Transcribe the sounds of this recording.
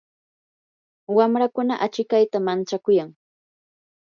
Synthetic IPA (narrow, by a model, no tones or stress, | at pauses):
wamɾakʊnaʔat͡ʃɪkajt̪amant͡ʃakʊjaŋ